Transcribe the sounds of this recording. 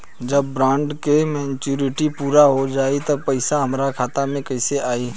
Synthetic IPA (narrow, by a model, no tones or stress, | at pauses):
d͡ʒɐbːɾãːɳɖkemɛ̃ːnt͡ʃuːɾɪʈipuːɾaɦod͡ʒaːit̪ɐpɐɪsaɦɐmɾakʰaːt̪amẽkɐɪseʔaːiː